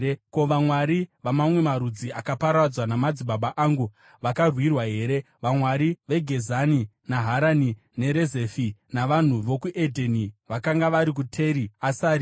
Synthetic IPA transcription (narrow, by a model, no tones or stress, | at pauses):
ko̞ʋamwaɾiʋamamwe̞maɾud͡ziʔakapaɾad͡zwanamad͡ziɓaɓaʔaŋɡu | ʋakarwirwaɦe̞ːɾe̞ | ʋamwaɾiʋe̞ɡʱe̞zani | naɦaɾani | ne̞ɾeze̞finaʋan̤uʋokuʔe̞dʱeniʋakaŋɡaʋaɾik̬utʰe̞ɾiasaːɾi